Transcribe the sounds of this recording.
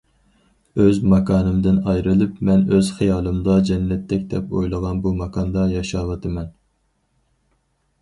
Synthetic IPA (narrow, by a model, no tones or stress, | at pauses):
øzmɑkʰɑːnɨmd̪ɪnɑjɾɨlˠɨpmɛnøz̥χejɑːlˠɨmd̪ɑd͡ʒɛnːɛt̪ʰːɛkʲd̪ɛpojlˠəʁɑnbumɑkʰɑnd̪ɑjɑʃɑːwɨt̪ʰɨmɛn